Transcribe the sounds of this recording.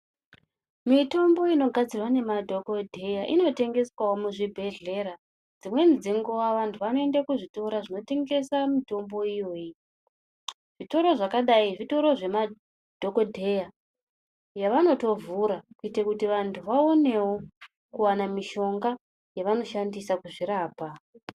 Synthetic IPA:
mito̞mbo̞ino̞ɡʱad͡zirwane̞madʱokodʱe̞jaʔino̞te̞ŋɡe̞swawomuʐibʱe̞ɮe̞ɾa | d͡zimwe̞nd͡ziŋɡoaʋantʰuʋano̞e̞ndakuʐito̞ɾaʐino̞te̞ŋɡe̞samito̞mbo̞ijo̞ːji | ʐ̥ito̞ɾo̞ʐakaɗaiʐito̞ɾo̞ʐe̞ma | d̥ʱoko̞dʱe̞ja | jaʋano̞to̞vuɾakuitakutiʋantʰuʋaone̞wo̞ | kuwanamiʃo̞ŋɡa | jaʋano̞ʃandisakuʐiɾaːpa

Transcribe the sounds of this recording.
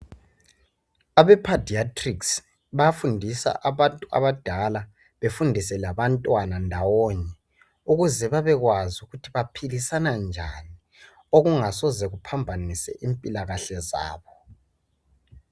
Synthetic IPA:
aβɛpʰadiatʰʼriks | βafundʱisa̰ʔaβantʼua̰βad̥ʱala | βefundʱisɛlaβantʼwanandʱawɔɲɛ | uɣuzɛβaβɛɣwazuɣutʰiβapʰilisanand͡ʒʱani | oɣuŋasɔzɛɣupʰambʱanisɛ̰ʔimpʼilaɣaɬɛza̰ːβɔ

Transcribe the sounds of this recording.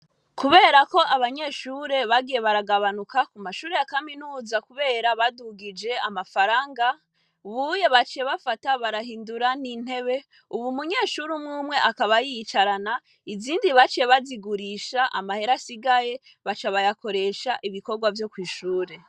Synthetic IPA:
kuβe̞ːɾako̞ʔaβaɲe̞ːʃuːɾe̞βaɡije̞βaɾaɡaβanukakumaʃuːɾe̞jakaminuːzakuβe̞ːɾaβaduɡid͡ʒe̞amafaɾaːŋɡa | βuje̞βat͡ʃije̞βafataβaɾahiːnduɾanin̥he̞βe̞ | uβumuɲe̞ːʃuɾumŋuːmwe̞ʔakaβajit͡ʃaɾana | iziːndiβat͡ʃije̞βaziɡuɾiʃaʔa̰mahe̞ɾasiɡaje̞ | βat͡ʃaβajako̞ɾe̞ʃaʔiβiko̞ɾɡwavjo̞kwiːʃuːɾe̞

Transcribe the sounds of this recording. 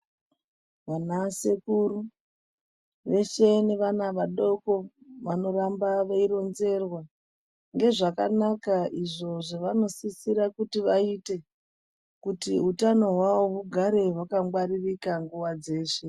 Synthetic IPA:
ʋanase̞kuɾu | ʋe̞ʃe̞neʋanaʋaɗo̞ko̞ʋano̞rambaʋaiɾo̞nze̞rwa | ŋɡe̞ʐaka̰nakaʔiʐo̞ʐoʋano̞sisiɾakutiʋaite̞ | kutiɦutano̞ɦwawoʋuɡʱaɾe̞ʋakaŋɡwaririkaŋɡuʋad͡ze̞ːʃe̞

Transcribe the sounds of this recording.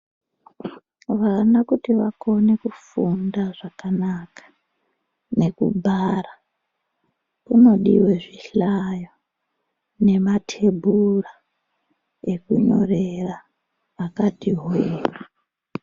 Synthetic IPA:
ʋanakutiʋakʰo̞ne̞kufundaʐakanakḁ | ne̞kṵbʱaːra | uno̞ɗḭwe̞ʐiɬajo | ne̞matʰe̞bʱura | e̞kuɲo̞̰re̞raː | katiɦːra

